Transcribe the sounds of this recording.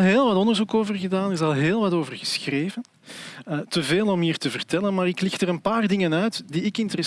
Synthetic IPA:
ɦeːlˠʋɑtɔndərzukoːvərɣədaːnɪzɑlˠɦeːlˠʋɑtoːvərɣəsxreːvən | ətəveːlˠɔmɦiːrtəvərtɛlənmaːɾɪklɪxtəɾənpaːrdɪŋənœɥtdiɪkɪntəɾə

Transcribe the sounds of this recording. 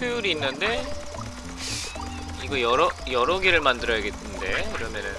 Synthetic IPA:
ujuɾiːnːɯnde̞ | iɡʌjʌɾʌjʌɾʌɡeɾɯɭmandɯɾʌjʌɡe̞tʰɯnde̞kiɾʌmjʌnɯ

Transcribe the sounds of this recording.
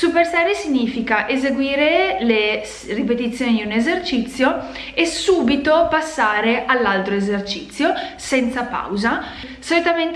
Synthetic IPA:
supersɛːɾesiɲːiːfikaʔezeɡwiːɾelesrip̬et̪̬it̪sːjoːnid̪unezert͡ʃit̪sːjo | esuːbit̪opasːaːɾeʔalːalt̪ɾoezert͡ʃit̪sːjosɛnt̪sapa̰wza | solit̪ament̪

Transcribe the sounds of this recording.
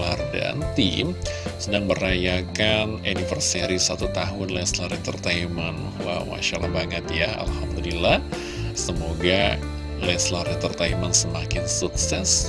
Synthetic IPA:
larda̰nt̪ḭmsədaŋməɾajakananifərsiaɾisat̪ut̪aɦʊnlɛslaɾit̪ərt̪aiman | wa̰ma̰ʃalahbaŋət̪jaa̰lhamd̪ulilːah | səmoɡa | lɛslaɾit̪ərt̪aimansəmakɪnsuksɛs

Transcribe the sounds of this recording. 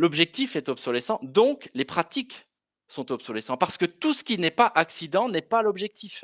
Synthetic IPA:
lɔbʒɛk̚t̪ifɛt̪ɔbsɔlɛsɑ̃d̪ɔ̃klepχat̪ik | sɔ̃t̪ɔbsɔlɛsɑ̃paʁsə̥kət̪usə̥kʲinɛpaʔaksid̪ɑ̃nɛpalɔbʒɛk̚t̪if

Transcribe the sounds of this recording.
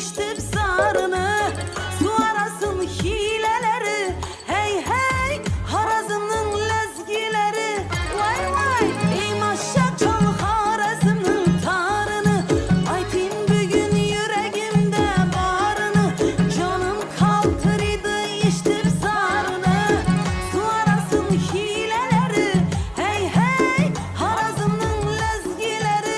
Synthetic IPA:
ʃt̪iɾzɑɾɯnɯsuaɾasɯnçilɛlɛɾi | hɛjɦɛjhɑɾɑzɯnɯnlɛzɡileɾilajmɑjijmɑʃːɑt͡ʃʰanhɑɾɑsɯnɯnt̪ʰɑɾɯnɯɑjt̪ʰinbyɡʲynjyɾɛɡimd̪ɛbɑɾɯnɯd͡ʒonɯnkʰɑlˠt̪ʰɯɾɯjd̪ɯ | iʃt̪ʰiɾsɑɾɯnɯsuaɾasɯnhileleɾihɛjhɛj | haɾazɯmnɯnlɛzɡileɾi

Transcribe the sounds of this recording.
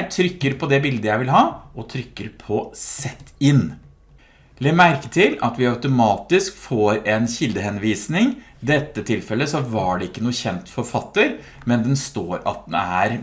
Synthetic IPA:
t̪ʰɾʏkːəɾpʰɔd̪ɛbɪld̪əjæɪʋɪlɦɑːʔɔt̪ʰɾʏkːəɾpʰɔsɛt̪ːɪnː | lɛmæɾkət̪ʰɪlɑ̰t̪ʋɪɑʉt̪ʊmɑːt̪ɪskfoːɾɛnçɪld̪əhɛnʋiːsnɪŋ | d̪ɛt̪ːət̪ʰɪlfɛlːəsɔʋɑɖɛɪkːənuːəçɛnt̪fɔɾfɑt̪ːəɾ | mɛnd̪ɛnst̪oːɾɑ̰t̪̚d̪ɛnæ̰ɾ

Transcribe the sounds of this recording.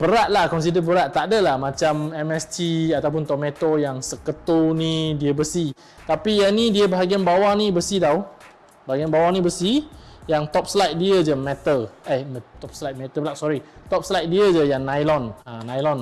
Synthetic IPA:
bəɾaʔ̪̚lahkɔns̬idəbəɾaʔ̪̚aʔdəlahmãt͡ʃamɛmɛst̪iat̪awp̬ʊnt̪ɔmẽt̪ojaŋsəkət̪onĩdiəbəsi | t̪apijanĩdiəbaɦaɡianbawanibəsidaw | baɦaɡianbawanĩbəsijaŋt̪ɔp̚səlajt̪̚diəd͡ʒəmɛt̪əamt̪ɔp̚slajt̪̚mɛt̪əbəɾaʔ̚sɔɾit̪ɔp̚slajt̪̚diəd͡ʒəjaŋnãjlɔnanajlɔn

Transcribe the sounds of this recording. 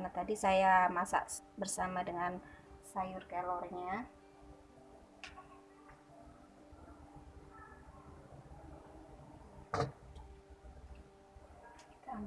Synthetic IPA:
nat̪adisajamasa̰ʔbərsamadəŋansajʊrkalɔrɲa

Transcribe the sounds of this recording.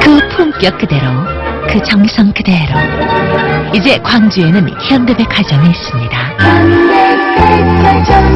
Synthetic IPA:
kɯpʰumk͈jʌk̚k͈ɯde̞ɾokɯt͡ɕʌŋisʰʌŋkɯde̞ɾo | id͡ʑe̞kwaŋd͡ʑue̞nɯnçjʌndebe̞kʰwad͡ʑʌŋiːs͈ɯmɲida

